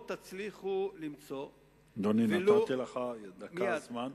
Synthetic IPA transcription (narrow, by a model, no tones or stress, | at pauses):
t̪at͡sliχulimt͡so | d̪oninalat̪ileχad̪akazman